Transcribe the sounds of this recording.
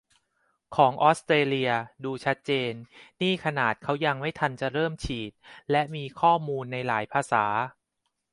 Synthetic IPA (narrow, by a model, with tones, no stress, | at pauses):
kʰɔː˩˦ŋʔɔː˦˥st̪ɾeː˧li˧ɐduː˧t͡ɕʰa˦˥t̪̚t͡ɕeː˧nniː˥˩kʰa˧naː˨˩t̪̚kʰa˦˥wja˧ŋma˥˩jt̪ʰa˧nt͡ɕa˨˩ɾɤː˥˩mt͡ɕʰiː˨˩t̪̚lɛ˦˥ʔmiː˧kʰɔː˥˩muː˧nːa˧jlaː˩˦jpʰaː˧saː˩˦